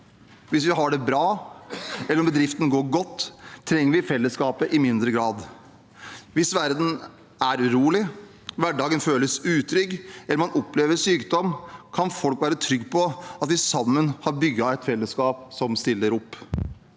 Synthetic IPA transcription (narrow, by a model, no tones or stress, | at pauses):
ʋɪs̬ʋɪɦɑɖɛbɾɑː | ɛlːɾɔmbəd̪ɾɪft̪ən̩ɡoːɾɡɔt̪ʰːɾɛŋːəɾʋɪfɛlːəskɑːpəʔɪmɪnd̪ɾəɡɾɑːd̪ | ʋɪsʋæɾd̪n̩ | æɾʉɾuːlɪ | ʋæɖɑːɡənføːləsʉːt̪ʰɾʏɡɛlːəɾmɑnʔɔpːleːʋəʂyːkd̪ɔmːkʰɑnfɔlkʋæːɾət̪ʰɾʏɡːpʰɔɑt̪ʋɪsɑmːənhɑɾbʏɡːɑɛt̪fɛlːəskɑːp̚sɔmst̪ɪlːəɾɔpː